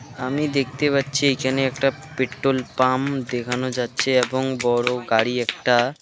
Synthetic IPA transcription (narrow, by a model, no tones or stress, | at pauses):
amid̪ek̚ʰt̪epatːɕʰiejkʰaneɛkʈa | peʈːolpamd̪ekʰanod͡ʑatːɕʰeeboŋbɔɾoɡaɽiɛk̚ʈa